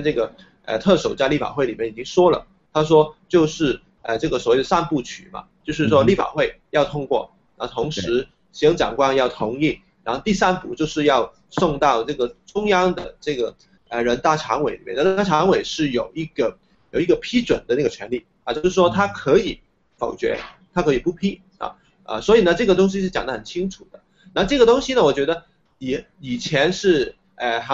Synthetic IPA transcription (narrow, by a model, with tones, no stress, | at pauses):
ʈ͡ʂɤ˥˩ɡə˩ | ə̰˧˩t̪ʰɤ˥˩ʂo˨˩ʊt͡ɕa˥˧ɪli˥˩fa̰˨˩xwe˥˩ɪli˨˩mjɛ˥˩ni˨˩t͡ɕi˥ŋʂwɔ˥lə̰˨˩ | t̪ʰa˥ʂ̬wɔ˥t͡ɕjo˥˧ʊʂɻ̩˥˩ | ə˧˩ʈ͡ʂɤ˥˩ɡə˩swɔ˨˩we˥˩ɪd̪ə˩sa˥˧npu˥˩t͡ɕʰy̰˨˩mɐ̰˧˦t͡ɕjo˥˧ʊʂ̬ɻ̩˥˩ʂ̬wɔ˥li˥˩fa̰˨˩xwe˥˩ɪjɑ˥˩ʊt̪ʰʊ˥ŋkwɔ̰˥˩ | ɻa˥˧˩t̪ʰʊ˧˥ŋʂɻɻ̩˧˥ | ɕɑ˥ŋt͡ɕjɑ̰˨˩ŋkwa˥njɑ˥˩ʊt̪ʰʊ˧˥ŋi˥˩n | ɻa˥nxo˥˧t̪i˥˩sa˥npu˥˩t͡ɕjo˥˧ʊʂɻ̩˥˧jɑ˥˧ʊ | sʊ˥˧ŋt̪ɑ˥˧ʊʈ͡ʂɤ˥˩ɡə˩ʈ͡ʂʊ˥ŋjɑ˥ŋd̪ə̰˨˩ʈ͡ʂɤ˥˩ɡə˩ | ə˧ɻə˧˥nt̪a˥˩ʈ͡ʂʰɑ˧˥ŋwe˧˥ɪli˨˩mjɛ˥˩n˥˧˥a˥˩ʈ͡ʂʰɑ˧˥ŋwe˨˩ɪʂɻ̩˥˩jo˨˩ʊi˥˩ɡ̥ə˧˩ | jo˨˩ʊi˥ɡə˧˩pʰi˥ʈ͡ʂwə˨˩nd̪ə˦na˥˩ɡə˩t͡ɕʰɥɛ˧˥nli˥˩ | a˧˩t͡ɕjo˥˧˥ʊ˧ʂɻ̩˥˩ʂwɔ˥t̪ʰa˥kʰɤ˧˥i˨˩˦ | fo˨˩ʊt͡ɕɥɛ̰˧˥t̪ʰa˥kʰɤ˧˥i˨˩pu˥˩pʰi˥ | ɐ̰˨˩ | ə̰˧swɔ˧˥i˨˩nə˦ʈ͡ʂɤ˥˩ɡə˩t̪̬ʊ˥ŋɕ̬i˧˥ʂ̬ɻ̩˥˩t͡ɕjɑ˨˩ŋd̪ə˦xə˨˩nt͡ɕʰi˥ŋʈ͡ʂʰu˨˩d̪ə˦ | na˥˩ʈ͡ʂɤ˥˩ɡə˩t̪ʊ˥ŋɕi˧nə˧˨wɔ˨˩t͡ɕɥɛ˧˥d̪ə˧ | i˨˩ | i˨˩t͡ɕʰjɛ˧˥nʂɻ̩˥˩ | ə˧˩xa˧˥